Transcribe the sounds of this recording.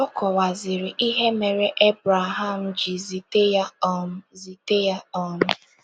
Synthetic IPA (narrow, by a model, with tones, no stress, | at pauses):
ɔ˦kɔ˨wa˨zɪ˨ɾɪ˨ʔi˦ɦe˦me˨ɾe˦ʔe˦bɾa˨ɦa˦˨m̩˨d͡ʒi˨zi˨te˦ja˦zi˨te˦ja˦ɔ˦m̩ʊ˦